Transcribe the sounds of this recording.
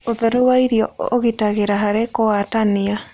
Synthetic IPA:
oðɛɾowaiɾjɔoɣitaɣeɾaɦaɾekoatania

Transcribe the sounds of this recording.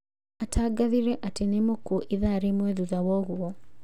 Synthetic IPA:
atʰaɡaðiɾɛʔatenemokuʔiðaɾemwɛðuðawɔɣuɔ

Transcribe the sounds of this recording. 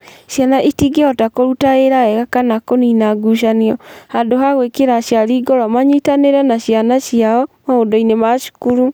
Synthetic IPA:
ʃjanaʔitiɡeɔtakoɾutaeɾaɛɣakanakoninaɡuʃ̬aniɔhandoɦaɣwekeɾaʃjaɾiːɡɔɾamaɲitaneɾɛnaɕjanaʃjaɔmaodɔinemaʃu̥kuɾu

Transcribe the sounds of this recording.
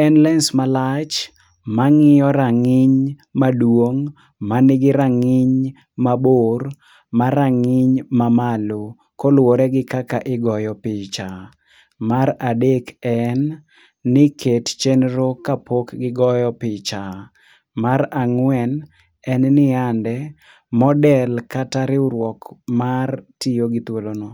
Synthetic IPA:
ɛnlɛnsmalat͡ʃ | maŋɪjɔɾaŋɪɲmadwoŋ | manɪɡɪɾaŋɪɲ | mabor | maɾaŋɪɲmamalo | kɔlwoɾɛɡɪkakaʔɪɡɔjɔpɪt͡ʃa | maɾadekɛnː | ɪkʰett͡ʃenɾokapokɡɪɡɔjɔpɪt͡ʃa | maɾaŋwɛn | ɛnnɪandɛ | mɔdɛlkataɾɪuɾwɔkmartijoɡɪt̪wolono

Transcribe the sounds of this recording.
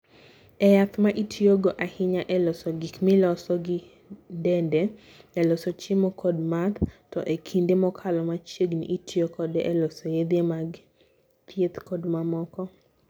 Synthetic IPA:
ɛjat̪maʔitʰioɡoʔahɪɲaʔɛlɔsɔɡikmɪlɔsɔɡɪ | ndɛnde | ɛlɔsɔt͡ʃɪmɔkʰɔdmat̪tɔʔekʰindemɔkʰalɔmat͡ʃeɡnḭʔitʰiokɔdɛʔɛlɔsɔjed̪emaɡ | t̪ʰjet̪kɔdmamɔkɔ

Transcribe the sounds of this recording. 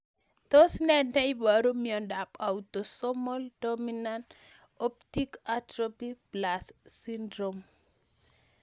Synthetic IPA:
t̪osnɛnɛibaɾomiɔndapaut̪osɔmɔldominant | op̚tikatɾopiplasːindɾom

